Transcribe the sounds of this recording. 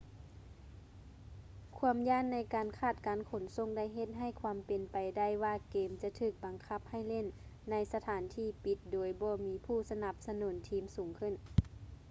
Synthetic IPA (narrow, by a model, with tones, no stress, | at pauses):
kʰu˧˥əmjaː˧˥˨nːa˧˥˩jkaː˨nkʰaː˧˩t̪̚kaː˨˦nkʰo˨˩˦nso˧˥˨ŋda˧˥˨jɦe˧˥t̪̚ɦa˧˩jkʰwaː˧˦mpe˨npa˨jda˥˩jwaː˧˨keː˨mt͡ɕa˧˦t̪ʰɯː˧˩k̚ba˨ŋkʰa˧˥p̚ha˥˩jle˧˥˨nːa˧˥jsa˧t̪ʰaː˨˦nt̪ʰiː˧˥pi˧˦t̪̚doː˨˧jbɔː˧˦miː˧˥pʰuː˧˥˩sa˧na˧˦p̚sa˧nuː˩˦nt̪ʰiː˧˥msuː˨˦ŋkʰɯ˧˥˩n